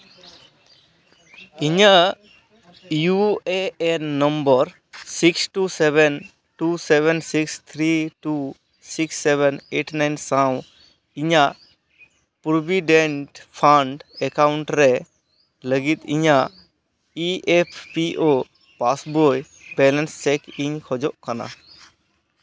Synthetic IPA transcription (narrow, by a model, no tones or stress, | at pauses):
iɲaʔ | jueːnəmbəɾ | siksʈusɛbɛn | ʈusɛβɛnsikst̪ʰɾiʈu | siksːɛbɛneʈnajnsãw̃ | iɲaʔ | puɾbiɖɛɳʈpʰaɳɖɛkawɳʈɾɛ | ləɡit̪iɲaʔ | iɛpʰpiʔo | pasboj | bɛlɛnst͡ʃɛkiɲkʰɔd͡ʒɔʔkana̰